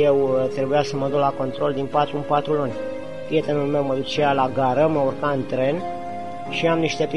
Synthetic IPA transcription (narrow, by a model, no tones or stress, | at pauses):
jewt̪ɾe̞bujasəməd̪uklako̞nt̪ɾo̞ld̪inpat̪ɾumpat̪ɾulunʲ | pɾije̞t̪e̞nulme̞wməd̪ut͡ʃealaɡaɾəməurkaɨnt̪ɾe̞n | ʃiamniʃt̪e̞p